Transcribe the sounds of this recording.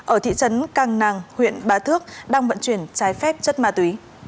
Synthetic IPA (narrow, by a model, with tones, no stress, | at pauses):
ʔəː˧˩t̪ʰḭ˧˨t͡ɕə˨˦nkaː˧˩ŋnaː˨˩ŋhwḭ˧˨ənɓaː˨˦t̪ʰɨ˦˥ək̚ɗaː˧ŋvə̰˧˨nt͡ɕwi˧˩ənt͡ɕaː˨˦jfɛ˦˥p̚t͡ɕə˦˥t̚maː˧t̪wi˨˦